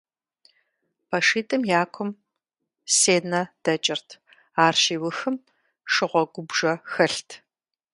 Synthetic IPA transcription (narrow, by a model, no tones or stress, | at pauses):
pʰɐʂiːtʼɨmjaːkʷʰɔm | seːnɐd̥ɐt͡ʃʼɪrtʰ | aːrʃiːwʊxɨm | ʂɨʁʷɔɡʷʊbʒɐxɐɬtʰ